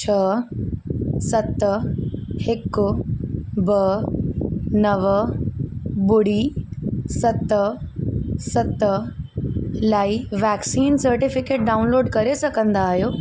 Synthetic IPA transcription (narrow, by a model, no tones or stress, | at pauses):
t͡ɕʰɐ | sɐt̪ | hɪkʊ | bɐ | nɐʋ | bʊɽi | sɐt̪ | sɐt̪ | laːiʋɛːksiːnsɐɾʈɪfɪkeːʈ̚ɖaːʊnloːɖkɐɾesɐkə̃nd̪aːɦijoː